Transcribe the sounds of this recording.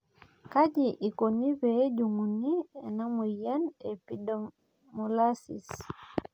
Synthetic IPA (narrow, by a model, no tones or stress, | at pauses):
kaɟiʔikonibɛɟuŋuniɛnamujanɛpidɔ | mɔlasḭs